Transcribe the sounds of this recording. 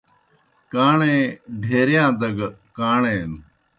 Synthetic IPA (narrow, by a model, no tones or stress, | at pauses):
kaːɳeɖʱeɾejaːnd̪ɐɡɐkaːɳejnːu